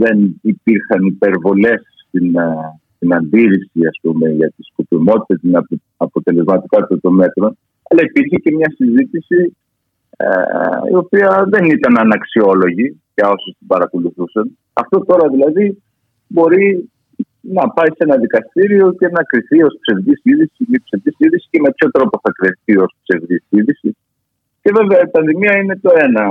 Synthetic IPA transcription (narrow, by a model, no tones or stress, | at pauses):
ðe̞nipiɾxɐnipe̞ɾvo̞le̞s | t̪in | t̪inɐnd̪iɾisiɐspume̞ʝɐt̪isko̞pimo̞t̪it̪ɐt̪in | ɐpo̞t̪e̞le̞zmɐt̪ikɐt̪ɐt̪o̞me̞t̪ɾo̞n | ɐlɐipiɾçece̞mɲɐsizit̪isḭ | ḭo̞piɐðe̞nit̪ɐnɐnɐksio̞lo̞ʝiʝɐo̞sust̪ibɐɾɐkoluθusɐn | ɐ̰ft̪o̞t̪o̞ɾɐðilɐði | bo̞ɾi | nɐpɐisenɐðikɐst̪iɾio̞ce̞nɐkɾiθio̞spse̞vðisiðisimipse̞vðisiðisi̥ce̞me̞pço̞t̪ɾo̞po̞θɐkɾeθio̞spse̞vðisiðisi | ce̞ve̞veɐipɐnðimiɐine̞t̪o̞e̞nɐ